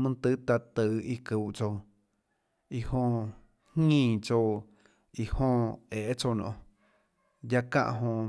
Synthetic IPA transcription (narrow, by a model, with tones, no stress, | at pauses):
mɨ̃˦˧t̪ɨ˦t̪a˧t̪ɨ˨i˧kɨ˨ʔt͡so˧ | i˧hõ˧ | hŋĩː˦˧˨t͡so˧ | i˨hõ˧eː˨˦t͡so˧nɔ̰̃˧˨ | ja˧kã̰˧ʔɦõ˧